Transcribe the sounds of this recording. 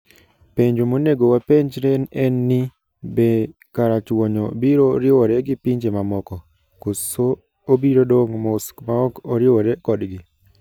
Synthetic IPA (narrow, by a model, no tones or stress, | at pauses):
peɲd͡ʒomoneɡowapeɲd͡ʒɾenɛnːi | be | kaɾat͡ʃwɔɲɔbiɾoɾɪwɔɾɛɡɪpiɲd͡ʒemamɔkɔ | koso | obiɾodoŋmoskmaɔkɔɾɪwɔɾɛkɔdɡɪ